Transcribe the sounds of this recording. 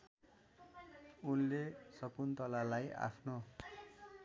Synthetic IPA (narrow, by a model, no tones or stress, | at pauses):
unlesʌkunt̪ʌlalaja̰pʰno